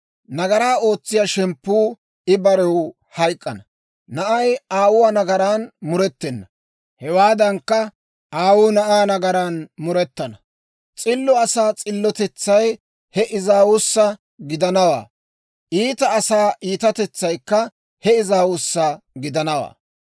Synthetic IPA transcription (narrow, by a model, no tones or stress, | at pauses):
nɐɡɐɾaːo̞ːt͡sːɪjaːʃɛmpːuː | ɪbɐɾɛw | hɐjkʼːɐnɐ | nɐʔɐjaːwʊwaːnɐɡɐɾaːnmʊɾɛt̪ːɛnːɐ | hɛwaːd̪ɐŋkːɐ | ʔaːwuːnɐʔaːnɐɡɐɾaːnmʊɾɛt̪ːɐnɐ | t͡sʼɪlːɔɐsaːt͡sʼɪlːɔt̪ɛt͡sːɐj | hɛʔɪzaːwʊsːɐ | ɡɪd̪ɐnɐwa̰ː | ʔiːt̪ɐːsaːʔiːt̪ɐt̪ɛt͡sːɐjkːɐ | hɛɪzaːwʊsːɐɡɪd̪ɐnɐwa̰ː